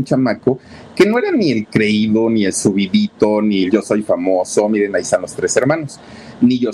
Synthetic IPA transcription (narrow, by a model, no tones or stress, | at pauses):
nt͡ʃamako | ke̞no̞e̞ɾanie̞lkɾe̞iðonie̞lsuβiðit̪o̞niʝo̞so̞jfamoso̞miɾe̞naisanlo̞st̪ɾe̞se̞ɾmãno̞s | niʝo